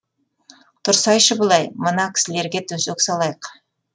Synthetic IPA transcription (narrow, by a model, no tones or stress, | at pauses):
t̪ʰʊɾsɑjʃəbəlˠɑjmənɑkʲʰɪ̥sɪle̞ɾɡʲe̞t̪ʰɵsøksɑlˠɑjəq